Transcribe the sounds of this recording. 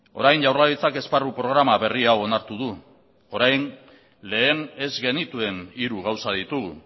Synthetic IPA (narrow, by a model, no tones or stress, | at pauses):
o̞̰ɾajnʝawraðit͡sake̞sparupɾo̞ɣɾamaβe̞riawo̞naɾt̪uðu | o̞ɾajn | le̞ːne̞zɣe̞nit̪ue̞niɾuɣ̞awsaðit̪uɣṵ